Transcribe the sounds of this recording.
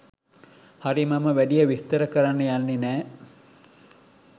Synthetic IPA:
haɾimaməʋæɖijəʋist̪əɾəkəɾanːəjanːenæː

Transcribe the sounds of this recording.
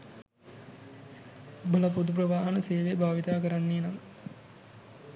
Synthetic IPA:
bəlɐp̬ud̪up̬ɾəʋaːɦɐnəseːʋebʱaːʋit̪aːkəɾanːiːnam

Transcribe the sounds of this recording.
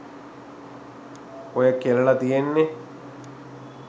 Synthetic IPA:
ojɐkːelɐɭɐt̪ijenːe

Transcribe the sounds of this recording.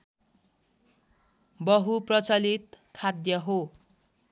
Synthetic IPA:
bʌɦuprʌt͡sʌlit̪kʰad̪jʌɦo

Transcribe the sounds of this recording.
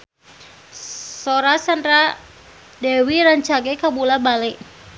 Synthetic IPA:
soɾasandɾa | dɛwiɾaɲt͡ʃaɡɛkabulabalɛʔ

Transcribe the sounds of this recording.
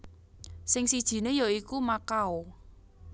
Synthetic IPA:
sɪŋsid̥ʒ̥i̤nejoikumakao

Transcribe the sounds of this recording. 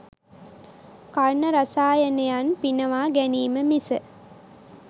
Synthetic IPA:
karnəɾasaːjənejanpinəʋaːɡæniːməmisə

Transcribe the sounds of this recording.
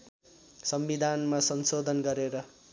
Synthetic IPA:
sʌmbid̪ʱanmasʌnsod̪ʱʌnɡʌɾeɾʌ

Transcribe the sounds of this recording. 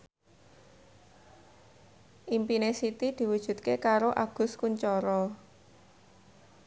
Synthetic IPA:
ʔimpinesit̪id̪̥i̤wud̥ʒ̥ṳt̪̚kekaɾoʔaɡ̥ʊ̤skuɲt͡ʃɔɾɔ

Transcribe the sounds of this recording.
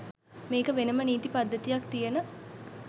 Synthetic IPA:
meːkəʋenəməniːt̪ipad̪ːət̪ijak̚t̪ijənə

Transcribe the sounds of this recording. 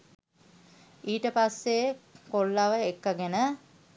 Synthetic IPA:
iːʈəpasːekolːaʋəekːəɡenə

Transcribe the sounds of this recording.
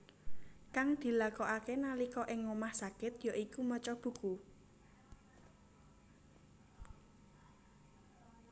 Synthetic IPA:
kaŋd̪̥i̤lakɔʔakenalikɔʔɪŋːomahsakɪt̪jaʔikumɔt͡ʃɔb̥ṳku

